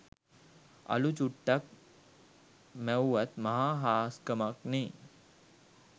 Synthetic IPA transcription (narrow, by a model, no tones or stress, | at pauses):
ɐ̰lut͡ʃuʈːɐk̚ | mɛwːɐt̪mɐɦaːɦaːskɐmɐkni